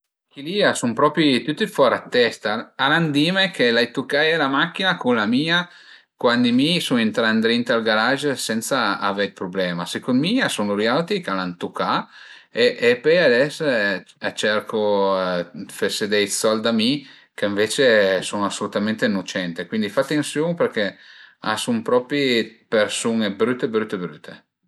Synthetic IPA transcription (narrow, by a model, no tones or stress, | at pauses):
k̟iliːasumpɾɔːpɾit̪ut̪ːifɔɾat̪ːɛst̪aaland̪iːmekʰelajt̪ukːajɛlamakːinakunlamiːa | kwand̪imisunint̪ɾand̪ɾint̪alɡaɾaʒsɛnt̪saa̰veilpɾoblɛːmasekonmiasunuɾjawt̪ikalant̪ukːa | eʔːpɛjad̪ɛs | at͡ʃɛrkʰo | fesed̪ɛjsɔld̪ami | keĩɱveːt͡ʃesuŋasːolut̪ament̪enot͡ʃɛnt̪ekwind̪ifat̪ːensjoŋperkea̰sumpɾɔpɾipersunebɾyt̪ːebɾyt̪ːebɾyt̪ʰe